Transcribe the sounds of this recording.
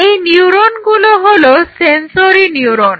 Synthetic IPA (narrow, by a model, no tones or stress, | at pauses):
ejniuɾonɡuloɦolosensoɾiniuɾon